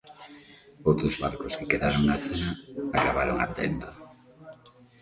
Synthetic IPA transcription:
owt̪ozβa̰ɾkoskekeðaɾoŋnaθonaakaβaɾoŋa̰βt̪ḛnd̪o

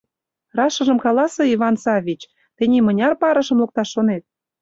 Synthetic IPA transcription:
rɑʃɤ̆ʒə̆mkɑlɑsɤ̆iβɑnsɑvʲit͡ɕ | t̪enʲimɤ̆nʲɑrpɑɾɤ̆ʃɤ̆mlok̚t̪ɑʃːonet̪̚

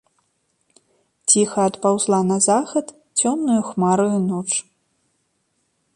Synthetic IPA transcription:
t͡sʲixɐːt̪pawzlˠanɐzaxɐt̪ | t͡sʲɔmnujuxmaɾujunɔt͡ʂ

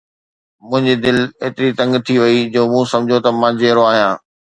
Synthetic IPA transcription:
mʊ̃ɦɪ̃ɲd͡ʑid̪ɪleːt̪ɪɾit̪ɐ̃ŋɡt̪ʰiʋɐid͡ʑoːmũːsɐ̃md͡ʑʱot̪ɐmãːd͡ʑeːɾoaːɦijãː

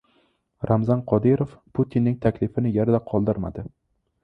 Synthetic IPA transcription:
ɾʔamzanqʰɒd̪ɪɾofpʰut̪ʰinːɪŋt̪ʰakʲlɪfɪnɪjaɾd̪aqʰɒlˠd̪ɪɾma̰d̪ɪ

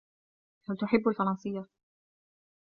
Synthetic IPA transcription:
halt̪ʊħɪbːalfɑɾˤɑnsɨjːa

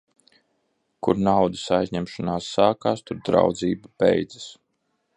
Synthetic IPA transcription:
kuɾnawd̪isajzʲɲɛmʃɔnaːsːaːkaːst̪uɾd̪ɾa̰wd̪ziːbabɛ̰jd̪zḁs

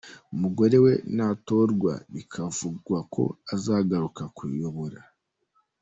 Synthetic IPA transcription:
umuɡo̞ɾe̞we̞nato̞ɾɡwa̰βikʰavuɡwakʰo̞̰azaːɡaɾukakujoβoɾa

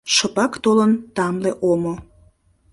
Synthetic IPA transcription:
ʃəpɑkt̪olənt̪ɑmleʔomo

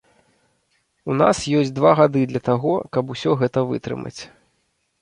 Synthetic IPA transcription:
unasjɔsʲd̪vaɣad̪ɨd̪lʲɐt̪aɣɔkɐbusʲɔɣɛt̪ɐvɨ̰t̪ɾɨ̰mɐ̰t͡sʲ

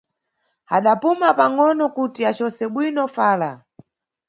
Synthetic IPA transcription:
aɗapumapaŋɔnɔkutiat͡ʃɔsɛɓwinɔfaːla

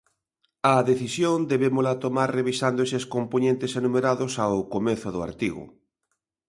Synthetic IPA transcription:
aðeθisjond̪eβemolat̪omaɾreβisand̪ʊeseskomponẽnt̪esenũmeɾaðʊsawkomeθʊðʊa̰ɾt̪iɣʊ̰

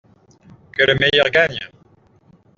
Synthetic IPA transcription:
kələmejœʁɡaɲ

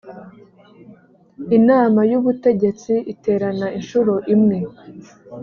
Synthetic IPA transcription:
inaːmajuβute̞ɟe̞t͡siite̞ːɾanainʃuɾo̞ʔimŋe̞

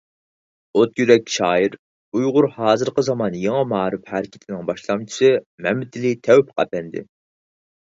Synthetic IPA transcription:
ot̪jyɾɛk̚ʲʃɑːiɾ | ujʁʊɾhɑːzɨɾqəzɑmɑnjeŋɨmɑːɾɪphæɾɪkʲʰɪ̥t̪ʰɪnɪŋbɑʃlˠɑmt͡ʃʰi̥sɨmɛmɪt̪ʰɪlit̪ʰɛwpqʰæ̰pɛnd̪ɪ̰

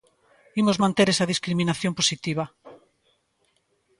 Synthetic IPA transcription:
imozmãnt̪eɾesaðiskɾimĩnaθjõmposit̪iβa

